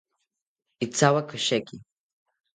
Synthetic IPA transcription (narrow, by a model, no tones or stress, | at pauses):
it͡sʰawakʷʰɨʃaɡʲʼi